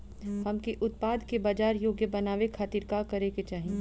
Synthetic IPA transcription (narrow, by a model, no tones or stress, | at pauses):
hɐmkeʔʊt̪̚paːd̪kebaːd͡ʒaːɾjoːɡjəbɐnaːʋekʰaːt̪iːɾkakɐɾeket͡ʃaːɦĩ